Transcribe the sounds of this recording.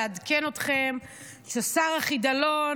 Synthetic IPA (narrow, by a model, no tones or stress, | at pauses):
adkeno̞tχem | sasaʁaχid̪alo